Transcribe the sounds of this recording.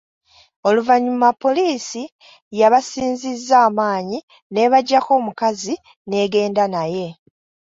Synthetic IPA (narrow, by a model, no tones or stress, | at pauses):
o̞luvaɲːumapːo̞liːsi | jaβasiːnzizːaːmaːɲi | ne̞βaɟːako̞ːmukazi | ne̞ːɡe̞ːndanaje̞